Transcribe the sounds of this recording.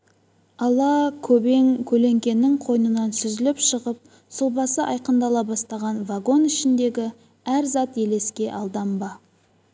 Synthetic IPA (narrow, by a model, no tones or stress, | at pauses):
ɑlˠɑkʲʰɵbe̞ŋkʲʰɵle̞ŋkʲe̞nːɪŋqʰo̞jənənɑnsʏzɪlɪpʃəʁəp̚ | sʊlˠbɑsəʔɑjqənd̪ɑlˠɑbɑst̪ɑʁɑnvaɡo̞nɪʃɪnd̪e̞ɡʲɪ | æɾzɑt̪je̞le̞skʲe̞ʔɑlˠd̪ɑmbɑ